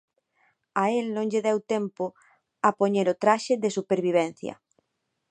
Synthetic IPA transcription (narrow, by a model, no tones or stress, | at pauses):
aelnõŋʎeðɛwt̪ɛmpo | apoɲeɾot̪ɾaʃɪðesupeɾβiβ̞ɛn̟θjɐ̰